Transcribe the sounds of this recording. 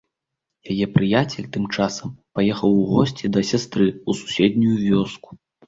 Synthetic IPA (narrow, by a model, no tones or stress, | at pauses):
jajɛpɾɨjat͡sʲɛlʲt̪ɨmt͡ʂasɐmpajɛxɐwuɣɔsʲt͡sʲid̪ɐsʲast̪ɾɨusu̥sʲɛd̪nʲujuvʲɔsku̥